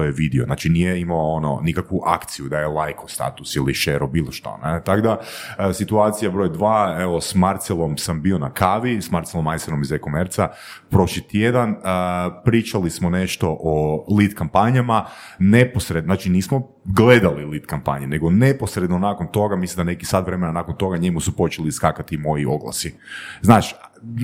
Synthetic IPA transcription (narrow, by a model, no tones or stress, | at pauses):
ojeʋid̪ioznaːt͡ʃinijeimaoono̰nikakʋuʔa̰kt̪sijud̪ajelˠajkʰost̪a̰t̪usiliʃeɾobiːlˠoʃt̪o̰net̪aɡd̪asit̪uat̪sijabɾo̞jd̪ʋaːe̞ʋo̞smaɾt̪selˠo̞msambio̞nakʰaʋismaɾt̪selˠomajsenomizekomeɾt̪sa | pɾo̞ʃlit̪jed̪anəpɾiːt͡ʃalismo̞ne̞ʃt̪o̞ʔolit̪kampaɲamane̞posɾed̪naːt͡ʃiniːsmo | ɡle̞d̪alilit̪kampa̰ɲene̞ɡo̞ne̞po̞sɾed̪nonaːkont̪o̞ɡamislimd̪anekisat̪ʋɾe̞menanakont̪o̞ɡaɲe̞musupo̞t͡ʃeliskakat̪imo̞jio̞̰ɡlˠa̰siznaːt͡ʃ